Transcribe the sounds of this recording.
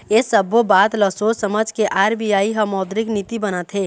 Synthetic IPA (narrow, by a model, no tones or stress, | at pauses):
esəbobaːt̪ləsosəməd͡ʒʱkeʔaːɾbijaːiɦəmɔːd̪ɾɪknit̪ibənət̪ɦe